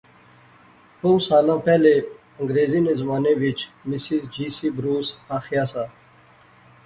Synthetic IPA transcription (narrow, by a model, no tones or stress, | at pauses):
ʈõːwsaːlãːpɛːle | ə̃ŋɡɾeːziːneːzəmaːneːʋɪt͡ʃmɪsizd͡ʑiːsiːbɾuːsaːxijaːsaː